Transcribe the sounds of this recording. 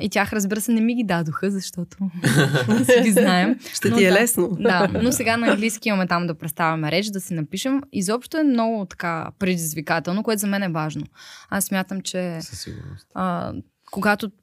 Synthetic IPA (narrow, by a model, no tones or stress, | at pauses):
it̪ʲjaxɾəzbiɾəsɛnɛmiɡʲid̪ad̪oxəzɐʃt̪ɔt̪o | sɛɡiznaɛmʃt̪ɛniɛlɛsnod̪anosɛɡanɐːŋɡlijskʲiimɐmɛt̪amd̪ɐpɾɛt̪st̪avʲɐmɛɾɛt͡ʃd̪ɐsɛnɐpiʃɛmizɔpʃt̪oɛmnɔɡʊt̪ɐ̥kapɾɛd̪izvikat̪ɛlˠnokoɛt̪ozɐmɛnɛvaʒnoasːmʲjat̪əmt͡ʃɛ̰ | ə | koɡat̪o